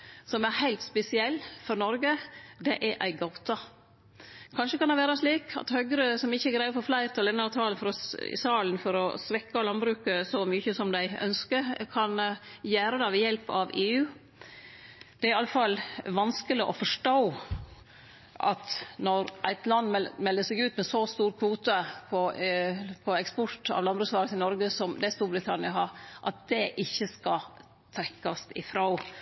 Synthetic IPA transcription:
sɔmæɾhæɪlt̪spɛsɪɛlːfɔɾnɔɾɡəd̪ɛʔæʔæɪɡɑʊt̪ɑ | kʰɑnʂəkɑnd̪ɛʋæːɾɑʂɭiːkʰɑ̰t̪hœɡɾəsɔmɪçːəæɾɡɾæɪəfɔɾflæɪɾt̪ʰɔlɛnːɑɾt̪ʰɑːlnfɔɾɔ̰sɑːlənfɔɾɔsʋɛkːɑlɑnbɾʉːkəsɔmʏçəsɔmd̪æɪœ̰nskəɾkʰɑnjæːɾəd̪ɑʋɛjɛlpɑʋeːʉː | d̪̥ɛæɾɪɑlːəfɑlːʋɑnskəlɪʔɔ̰fɔʂʈoː | ʔɑ̰t̪nɔɾʔæɪt̪lɑnːmɛlːəsɛɡʉːt̪mɛsɔst̪uːɾkʰʋuːt̪ɑpʰɔ | pʰɔɛkspɔt̪ɑ̰ːʋlɑnbɾʉːkslɑːɾəsɪnɔɾɡəsɔmd̪ɛst̪uɾbɾɪt̪ʰɑnɪɑɦɑɾʔɑt̪̚d̪ɛʔɪçːəskɑ | t̪ʰɾɛkːɑst̪ɪfɾɑʊ

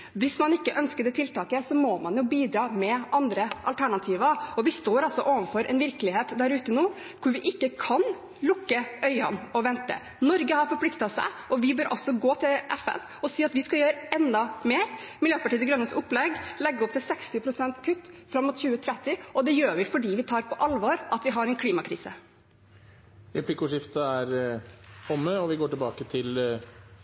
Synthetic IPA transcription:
ʋɪsmɑnɪkːəʔœnskəd̪ɛt̪ʰɪlt̪ɑːkəsɔmɔmɑnjʊːbiːd̪ɾɑːmɛʔɑnd̪ɾəʔɑlt̪ʰæɳɑt̪ʰiːʋəɔʋɪst̪oːɾɑlsɔʔoːʋənfɔɾʔɛ̰nʋɪɾklɪheːt̪d̪æɾʉːt̪ənuː | kʰʊɾʋɪʔɪkːəkʰɑn | lʊkːəœʏɑ̰nɔʋɛnt̪ə̰ | nɔɾɡəhɑɾfɔɾpʰlɪkt̪ɑsæ̰ɪʔɔʋɪbøːɾʔɔ̰sːɔɡoːt̪ʰɪlʔɛfɛ̰n | ɔsiːɑt̪ʋɪskɑjøːɾəɛnd̪ɑmeːɾmɪljøːpɑʈiːd̪əɡɾœnəsʊpːlɛɡlɛɡːəɔpt̪ɪlsɛkst̪ɪpʰɾʊsɛnt̪kʰʉt̪ːfɾɑmːuːt̪ɕʉːət̪ʰɾɛt̪ːɪɔd̪ɛjøːɾʋɪfɔɖiːʋɪt̪ʰɑːɾpʰɔʔɑlʋɑːɾʔɑt̪ʋɪɦɑɾɛnkʰliːmɑkʰɾḭːsə̰ | ɾɛpʰlɪkʊʂɪft̪əæɾ | ɔmːəɔʋɪɡoːʈɪlbɑːkət̪ʰɪl

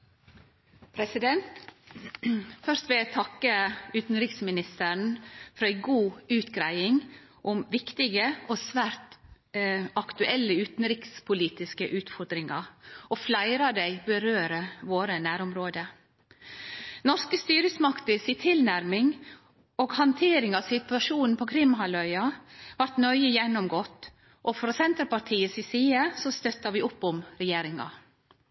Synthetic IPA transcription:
pʰɾɛsɪd̪ɛnt̪ | fœɾst̪ʋɪlæt̪ʰɑkːəʉːt̪n̩ɾɪksmɪnɪst̪əɳ̩fɔɾæɪɡuːʉːt̪ɡɾæɪɪŋ | ʔʊmʋɪkt̪ɪɡəoːsʋæːɾt̪ | ʔɑkt̪ʉʔɛlːəʉːt̪n̩ɾɪkspʰʊliːt̪ɪskəʔʉːt̪fɔɾd̪ɾɪŋɑɾoflæɪɾɑd̪æɪbəɾøːɾəʋoːɾənæːɾʊmɾoːd̪ə | nɔɾskəst̪yːɾəsmɑkt̪əsiːt̪ʰɪlnæɾmɪŋ | oːɡhɑnt̪ʰeːɾɪŋɑʋsɪt̪ʉʋɑʂuːnn̩pʰɔkʰɾɪmhɑlœʏɑʋɑɾʈnœʏəjɛnːʊmɡɔːt̪ː | ʔɔfɾɔsɛnt̪ɾpɑʈʰiːəsɪsiːəsɔst̪œt̪ːɑʋɪʔʊpːʊmɾɛjeːɾɪŋɑ̰

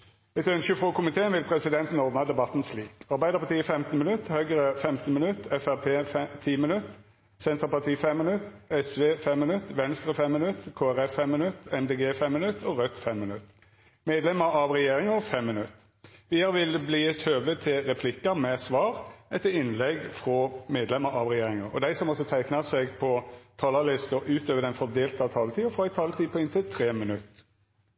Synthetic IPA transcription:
ɛt̪œnʃəfʁɔkʊmɪt̪ʰeːənʋɪlpʰɾɛsɪd̪ɛnt̪n̩ɔːd̪nɑd̪ɛbɑt̪ːnsliːkɑʁbæɪd̪əʁpʰɑt̪iːfɛmt̪n̩mɪnʉt̪ːhœʏɡəʁəfɛmt̪nmɪnʉt̪ːɛfæʁpʰeːt̪ʰiːmɪnʉt̪ | sɛnt̪ʁəpɑʁt̪ʰiːfɛmːɪnʉt̪ɛsʋeːfɛmːɪnʉt̪ʋɛnst̪ʁəfɛmːɪnʉt̪ːkʰoːæʁɛfːɛmːɪnʉt̪ːɛmd̪eːɡeːfɛmːɪnʉt̪ːɔʁœt̪ːfɛmːɪnʉt̪ː | meːd̪lɛməɾɑʋʁɛjeːɾɪŋəfɛmːɪnʉt̪ː | ʋiːəʁʋɪlbliːɛt̪ʰøːʋət̪ʰɪlɾɛpʰlɪkːəmɛsʋɑːʁɛt̪ːəɪnlɛɡfʁɔmeːd̪lɛməɾɑʋʁɛjeːʁɪŋəʁɔd̪æɪsɔmɔsɔt̪ʰæɪknɑsɛɡpʰɔt̪ʰɑːlɑlɪst̪əʔʉːt̪øːʋəd̪ɛnfɔd̪eːlt̪ɑt̪ʰɑːlət̪ʰiːʊfɾɔɪt̪ʰɑːlət̪ʰiːpʰɔɪnt̪ʰɪlt̪ʰʁeːmənʉt̪ː

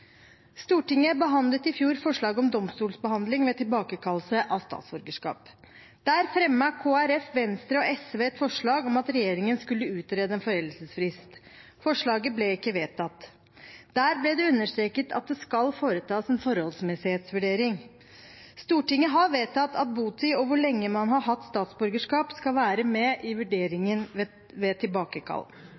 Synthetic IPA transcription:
st̪uːʈɪŋːəbəɦɑnd̪lət̪ɪfjuːɾfɔʂɭɑːɡɔmd̪ɔmst̪uːlsbəɦɑnd̪lɪŋmɛt̪ʰɪlbɑːkəkʰɑlːsəʔɑst̪ɑ̰ːt̪sbɔɾɡəʂkɑ̰ːp | d̪̥æːɾfɾɛmːəkʰoːæɾɛfʋɛnst̪ɾəɔɛsʋeːɛt̪fɔʂɭɑːɡɔmɑt̪ɾɛjeːɾɪŋənskʉlːəʉːt̪ɾeːd̪əɛnfɔɾɛlːəsəsfɾɪst̪ | fɔʂɭɑːɡəblɛɪkːəʋeːt̪ʰɑt̪ː | d̪̥æːɾblɛd̪ɛʉnːəʂt̪ɾeːkət̪ʰɑ̰t̪̚d̪ɛskɑlfoːɾət̪ʰɑːsɛnfɔɾhɔlsmɛsɪheːt̪sʋʉɖeːɾɪŋ | st̪uːʈɪŋːəɦɑʋeːt̪ʰɑt̪ːɑt̪̚buːt̪ɪɔʋʊɭɛŋːəmɑnɦɑɾɦɑt̪ːst̪ɑːt̪sbʉɾɡəʂkɑːpskɑlʋæːɾəmɛʔɪʋʉɖeːɾɪŋən | ʋɛt̪ʰɪlbɑːkəkʰɑ̰lː

